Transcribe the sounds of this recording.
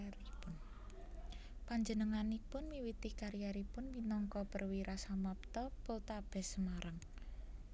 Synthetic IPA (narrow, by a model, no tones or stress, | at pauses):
ipʊn | paɲd͡ʒənəŋanipʊnmiwit̪ikaɾijaɾipʊnminɔŋkɔpərwiɾasamap̚t̪ɔpʊlt̪ab̥ɛ̤səmaɾaŋ